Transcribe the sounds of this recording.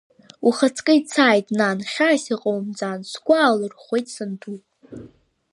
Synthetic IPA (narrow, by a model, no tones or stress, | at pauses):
uχat͡sʰkʼɨit͡sʰaːjtʼnanχʲasiqʼowmd͡zʼansɡʷaːlɨrχʷe̞jtʼsɨndʰupʼ